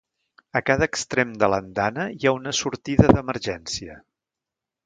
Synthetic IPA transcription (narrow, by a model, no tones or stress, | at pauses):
əkaðəːkst̪ɾemd̪ələnd̪anəjaunəsuɾt̪iðəðəməɾʒɛnsiə